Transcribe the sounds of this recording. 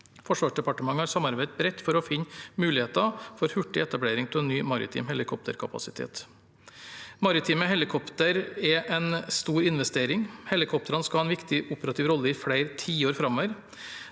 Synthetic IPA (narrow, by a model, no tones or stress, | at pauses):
fɔʂʋɑːʂɖɛpɑʈəmɑŋːəhɑɾsɑmɑɾbæɪd̪̚bɾɛt̪ːfɔɾɔfɪnːmʉːlɪheːt̪ɑfɔɾhʉʈːɪɛt̪ɑbleːɾɪŋt̪ʰɪlɛnːyːmɑɾɪ̰t̪ʰḭːmhɛlɪkʰɔp̚t̪ʰə̰ɾkʰɑpɑ̰sɪt̪ʰḛːt̪ | mɑɾɪt̪ʰiːmɛɦɛlɪkʰɔpt̪əɾɛʔɛnst̪uːɾɪnʋɛst̪eːɾɪŋhɛlɪkʰɔp̚t̪əɾɑnskɑhɑːɛnʋɪkt̪ɪʔʊpəɾɑt̪ʰiːʋɾɔlːəɪfɽæɪɾt̪ʰiːoːɾfɾɑmɔʋəɾ